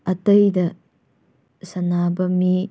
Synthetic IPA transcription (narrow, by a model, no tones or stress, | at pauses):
ɐtɐjdɐ | sɐnabɐmi